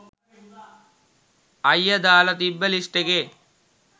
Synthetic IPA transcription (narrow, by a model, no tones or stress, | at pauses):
ɐjːɐd̪aːlɐt̪ibːɐliʂʈeɡe